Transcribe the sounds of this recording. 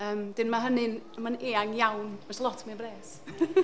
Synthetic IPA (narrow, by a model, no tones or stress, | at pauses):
əːmd̥ɪnmaɦənɨnəmaneːaŋjawnvɛslˠɔtʰmibreːs